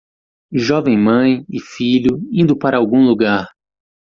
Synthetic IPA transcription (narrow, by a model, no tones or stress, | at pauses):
ʒɔvẽj̃mɐ̃j̃ɪfiʎʊĩnd̪ʊpaɾɐːwɡũluɡaɾ